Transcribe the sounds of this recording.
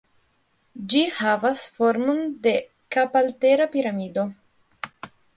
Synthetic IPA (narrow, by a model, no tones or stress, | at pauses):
d͡ʒihavasfoɾmo̞nde̞ | kapalte̞ɾapiɾamido̞